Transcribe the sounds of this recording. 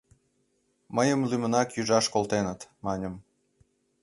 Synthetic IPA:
məjəmlymənɑkjyʒɑʃkolt̪enət̪mɑnʲəm

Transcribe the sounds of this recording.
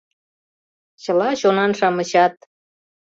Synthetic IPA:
t͡ɕəlɑɕonɑnʃɑməɕɑt̪̚

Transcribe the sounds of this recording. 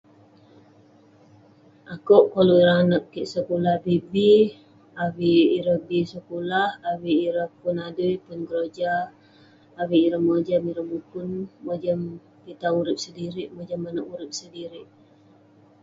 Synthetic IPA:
ʔakoʔkaluiɾaanəʔkiʔsəkulahbibi | awiːɾəbisəkulahawiːɾəhpunadujpunɡəɾod͡ʒaː | wiːɾəhməd͡ʒamiɾəmupunməd͡ʒəm | pit̪auɾɪp̚sədiɾiʔməd͡ʒəmanəʔuɾɪp̚sədiɾɪʔ

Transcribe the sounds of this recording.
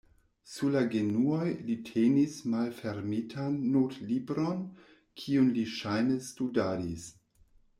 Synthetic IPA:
sulaɡenuojlitʰenismalfeɾmitʰanːotlibɾon | kʰiunliʃajnestudaːdis

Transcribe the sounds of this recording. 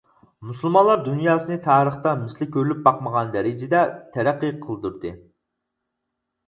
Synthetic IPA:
musulˠmɑnlˠɑɾd̪unjɑːsɨnɨt̪ʰɑːɾəχt̪ɑmɪslɪkʲʰøɾlyp̚bɑqməʁɑnd̪ɛɾɪd͡ʒɪd̪ɛt̪ʰɛɾæqːiqʰəlˠd̪uɾd̪ɨ

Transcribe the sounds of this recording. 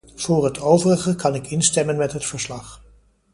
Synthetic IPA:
v̥ʊːɹɦətʰowvərəχəkɑnɪkɪnstɛmənmɛtɦətfəɹslɑχ

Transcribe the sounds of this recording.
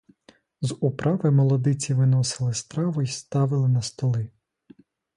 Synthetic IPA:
zʊpɾʔɑʋɪmɔlˠɔd̪ɪt͡sʲiʋɪnɔsɪlˠɪst̪ɾɑʋʊist̪ɑʋɪlˠɪnɐst̪ɔlˠɪ

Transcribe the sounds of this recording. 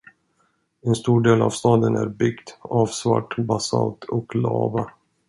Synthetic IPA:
ɛnst̪uːɖeːla̰vst̪ɑːd̪ənæɾbʏɡt̪ɑːvsva̰ʈːbasɑlt̪ʰɔklɑːva

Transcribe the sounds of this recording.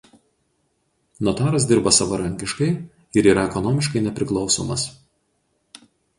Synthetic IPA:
nɔt̪ɑːɾɐs̬d̪ʲɪɾbɐsɐʋɐɾɐŋʲkʲɪʃkɐɪ | ɪɾiːɾɐɛkɔnɔːmʲɪʃkɐɪnʲɛpʲɾʲɪklˠɒʊso̰ːmɐs

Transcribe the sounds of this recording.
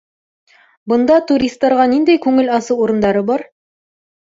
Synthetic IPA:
bɤ̆nd̪ɑt̪uɾʲist̪ːɑɾʁɑnind̪æjkʉŋɘlɑsɤwuɾɤ̆nd̪ɑɾɤbɑɾ

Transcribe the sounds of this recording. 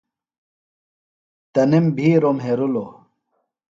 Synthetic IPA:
t̪ənimbʱiɾomɦeɾulo

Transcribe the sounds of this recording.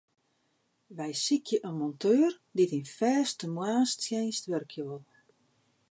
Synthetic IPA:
ʋɛjsikʰjəʔənmɔntʰøːr | ditinfɛːstəmwaːnstjɛnstʋørkʰjoolˠ

